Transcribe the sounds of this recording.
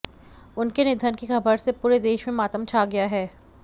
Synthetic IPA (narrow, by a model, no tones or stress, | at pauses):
ʊnkenɪd̪ʱənkixɐbəɾsepuːɾed̪eːʃmẽmaːt̪əmt͡ʃʰaːɡɐjaɦɛː